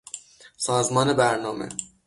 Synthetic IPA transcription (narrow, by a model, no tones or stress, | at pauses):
sɒːzmɒːnebæɾnɒːmḛ